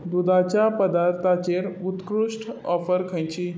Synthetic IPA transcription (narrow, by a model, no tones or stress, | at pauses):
d̪ud̪at͡ɕjapəd̪aɾt̪ʰat͡ɕeɾut̪kɾuʂʈɔfəɾkʰə̃jt͡ɕiː